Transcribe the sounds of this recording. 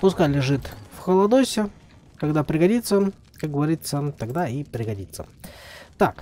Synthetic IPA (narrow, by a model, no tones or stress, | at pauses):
pʊskalʲɪʐɨt̪fxəlˠɐd̪osʲɪ | kɐɡd̪apɾʲɪɡɐdʲit̪sə | kak̚ɡəvɐɾʲit̪sət̪ɐɡd̪aipɾʲɪɡɐdʲit̪sːə̰t̪ak